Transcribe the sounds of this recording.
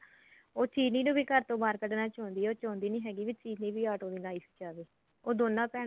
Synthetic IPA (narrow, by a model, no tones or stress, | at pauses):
oːt͡ʃiːniːnũːbiːkəɾt̪õːbaːɾkəɖnãːt͡ʃɔ̃ːnd̪iːɛoːt͡ʃɔ̃ːnd̪iːnĩːɦɛːɡiːʋiːt͡ʃiːniːʋiːaːʈoːd̪iːnaːiːsi̥d͡ʒaːʋeː | oːd̪oːnːãːpɛːɽ